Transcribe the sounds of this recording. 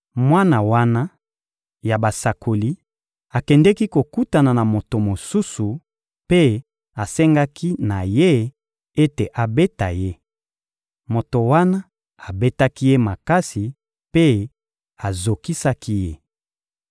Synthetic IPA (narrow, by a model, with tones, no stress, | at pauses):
mwa˦na˨wa˦na˦ | ja˨ba˨sa˨ko˨li˦ | a˨kɛ˨ndɛ˦ki˦ko˨ku˦ta˨na˨na˨mo˨to˨mo˨su˦su˨ | pe˦ | a˨sɛ˦ŋɡa˦kʰi˦na˨je˦ | e˦te˨ʔa˨be˦ta̰˨je˦ | mo˨to˨wa˦na˦ | a˨be˦ta˦ki˦je˦ma˨ka˦si˨ | pe˦ | a˨zo˨ki˦sa˦ki˦je˦